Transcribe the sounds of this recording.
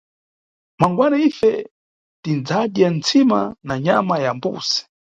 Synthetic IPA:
maŋɡwanaifɛ | tind͡zaɗjant͡sʰima̰naɲamajambṵsɛ̥

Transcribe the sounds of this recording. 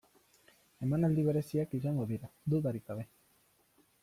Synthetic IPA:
e̞manald̪iβ̞e̞ɾe̞siakisaŋɡoðiɾad̪uðaɾikaβe̞

